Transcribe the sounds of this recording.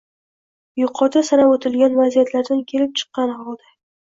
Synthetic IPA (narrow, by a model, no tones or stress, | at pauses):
jʊqʰɒt̪ʰasaɾabot̪ʰɪlɡʲanvazijat̪ʰlaɾd̪ankʲʰe̞lɪp̚t͡ʃʰɨ̥qːɑnhɒlˠd̪a